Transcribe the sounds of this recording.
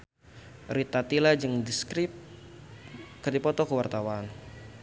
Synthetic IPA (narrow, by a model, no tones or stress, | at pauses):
ɾit̪at̪ilad͡ʒɨŋdiskɾɪp̚ | kədipɔt̪ɔkəwart̪awan